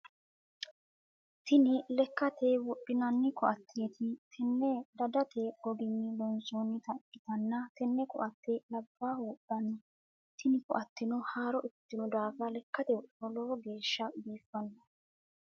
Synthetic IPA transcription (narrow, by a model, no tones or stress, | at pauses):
t̪ɪnɪlɛkːɐt̪eːwɔɗːɪnɐnːɪkʰɔʔɐt̪ʰːet̪ʰɪt̪ʰɛnːɛd̪ɐd̪ɐt̪ʰeːɡɔɡɪnːɪlɔnsoːnːɪt̪ɐ̥ɪt̪ɐnːɐt̪ɛnːɛkʊ̰ʔɐt̪ːelɐbːaːhuːɗːɐnːɪ | t̪ʰɪnɪkɔ̰ʔɐt̪ːɪnɔhaːɾɔʔɪt̪ːɪnɔd̪aːfɐlɛkːɐt̪ɛwɔɗɔloːɡe̞ːʃːɐbiːfːɐnːɐ